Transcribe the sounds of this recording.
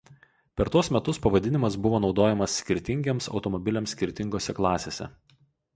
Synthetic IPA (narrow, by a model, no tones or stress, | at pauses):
pʲɛɾt̪uɔsmʲɛt̪ʊspɐʋɐd̪ʲɪnʲɪmɐs̬bʊʋoːnɒʊd̪oːjɛmɐsːʲkʲɪɾʲt̪ʲɪŋʲɡʲeːmsɒ̰ʊt̪ɔmɔbʲɪlʲɛmsʲkʲɪɾʲt̪ʲɪŋɡoːsʲɛklˠɑːsʲeːsʲɛ̰